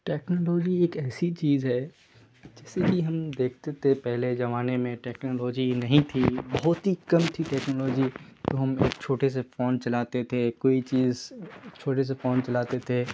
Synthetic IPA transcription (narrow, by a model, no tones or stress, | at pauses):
ʈɛːknoːlɔːd͡ʒieːkɛːsit͡ʃiːzɦɛː | d͡ʒɛːseɦiɦɐmd̪eːk̚ʰt̪et̪ʰepɛɦled͡ʒɐʋaːnemẽʈɛːknoːlɔːd͡ʒinɐɦĩt̪ʰibɐɦʊt̪ɦikɐmt̪ʰiʈɛːknoːlɔːd͡ʒit̪oɦɐmḛːk̚t͡ʃʰoːʈes̬efoːnt͡ʃɐlaːt̪et̪ʰekoːit͡ʃiːzt͡ʃʰoːʈes̬efoːnt͡ʃɐlaːt̪et̪ʰe